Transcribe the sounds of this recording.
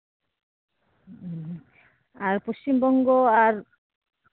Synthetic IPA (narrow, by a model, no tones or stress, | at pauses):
aɾpost͡ɕimbɔŋɡɔaɾ